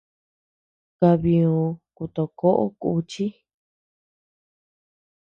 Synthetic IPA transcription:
ka˧βi˧u˧ku˧t̪o˧ko˦ʔo̰˦kṵ˧t͡ʃi˦

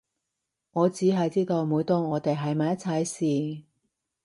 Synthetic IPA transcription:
ŋɔː˨˧t͡siː˨˥ɦɐ˨jt͡siː˥t̪o˧wmuː˨˧˥jt̪oː˥˧ŋɔː˨˧t̪e˨jɦɐ˨jmaː˨˧jɐ˥t͡sʰɐ˧jsiː˨

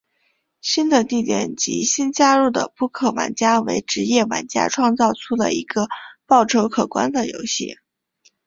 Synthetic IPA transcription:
ɕi˥nd̪ə˨t̪i˥˩t̪jɛ̰˨˩nt͡ɕḭ˧˥ɕi˥nt͡ɕja˥ɻu˥˩d̪ə̰˩pu˥˩kʰɤ˨˩wa̰˧˥nt͡ɕja˥wḛ˧˥ɪʈ͡ʂɻ̩˧˥jɛ˥˩wa̰˧˥nt͡ɕja̰˥ʈ͡ʂʰwɑ˥˧ŋt͡sɑ˥˩ʊʈ͡ʂʰu˥d̪ə̰˨˩i˧˥ɡ̥ə˧pɑ˥˩ʊʈ͡ʂʰo˧˥ʊkʰɤ˨˩kwa̰˥nd̪ə˨jo̰˧˥ʊɕḭ˥˩

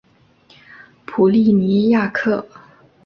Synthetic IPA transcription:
pʰu˨˩li˥˩ni˧˥ja˥˧kʰɤ˥˩

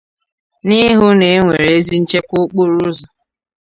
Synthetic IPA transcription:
ni˦ɦʊ˦ne˨˦ŋʷe˨ɾe˦zi˦n̩˦t͡ʃe˦kʷʊ˦k͡po˦ɾu˦zɔ˨

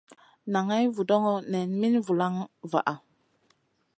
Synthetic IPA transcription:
na˨ŋa˦jvu˨dɔ˦ŋɔ˦nɛ˨nmi˦nvu˨la˦ŋva̰˨ʔa˨

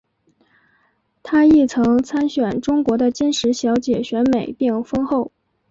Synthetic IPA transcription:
t̪ʰa˥i˥˩t͡sʰɤ˧˥ŋt͡sʰa˥nɕɥɛ˨˩nʈ͡ʂʊ˥ŋkwɔ˧˥d̪ə˧t͡ɕɛ˥nʂɻ̩˧˥ɕjɑ˧˥ʊt͡ɕjɛ˨˩ɕɥɛ˧˥nme˨˩ɪpjɛ˥˩nfɤ˥ŋxo˥˩ʊ

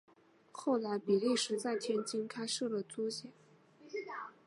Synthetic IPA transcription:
xo˥˩ʊla˧˥ɪpi˨˩li˥˩ʂɻ̩˧˥t͡sa˥˩ɪt̪ʰjɛ˥nt͡ɕi˥ŋkʰa˥ɪʂ̩˥˩lə˩t͡su˥ɕjɛ˨˩˦n

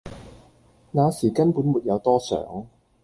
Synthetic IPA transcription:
naː˨˧siː˨˩kɐ˥npuː˨˥nmuː˨t̚jɐ˨˧wt̪ɔː˥sœ̰ː˨˥ŋ

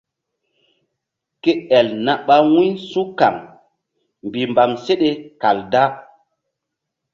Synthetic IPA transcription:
ke˦ɛ˨lna˨ɓa˦wũ˦su˦ka̰˨ŋ | mbi˨mba˨mse˦ɗe˦ka˨lda˦

